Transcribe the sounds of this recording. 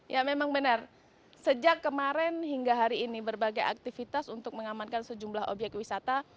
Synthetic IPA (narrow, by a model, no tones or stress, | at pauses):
jʔamemaŋbənər | səd͡ʒakːəmaɾɛnɦiŋɡaɦaɾiːnibərbaɡaja̰k̚t̪ifit̪asunt̪ʊk̚məŋamankansəd͡ʒumlaɦo̰bjɛk̚t̪wisat̪a